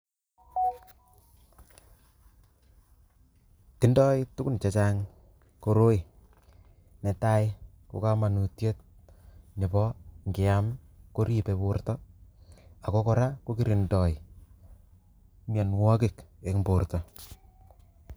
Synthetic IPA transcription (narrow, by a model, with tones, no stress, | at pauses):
ti˦ndɔ˦jtʊ˦kʊ˦nt͡ʃa˨t͡ʃa˦ŋ | ko˦ɾo˦ɪ˨ | nɛ˨ta˦ɪ | ko̰˨ka˦ma˨nu˨tje˦t̚ | ɲi˨bɔ˦ŋɡɪ˨amko˦ɾi˦pepo˦rtɔ | a˨ko˦kɔ˨ɾa˦ko˦ki˦ɾi˨ndɔ˨ɪ | ma˨nwɔ˦kɪ˨ke˨kmbo˨rtɔ˨